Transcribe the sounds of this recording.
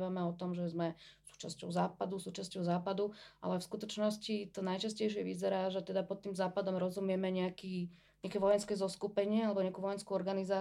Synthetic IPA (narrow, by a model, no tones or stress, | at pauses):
ʋamɛɔt̪ɔmʒɛzmɛsu̥ːt͡ʃascɔ̰ʊzaːpad̪usuːt͡ʃascɔʊzaːpad̪uʔa̰lɛfskut̪ɔt͡ʃnɔscit̪ɔnajt͡ʃascɛjʃ̬ɪɛʋizɛɾaːʒɛt̪ɛd̪apɔt̪ːiːmzaːpad̪ɔmɾɔzumɪɛmɛɲɛakiː | ɲɛakɛʋɔjɛnskɛzɔskupɛɲɪɛalɛbɔɲɛakuːʋɔjɛnskuɔɾɡanizaː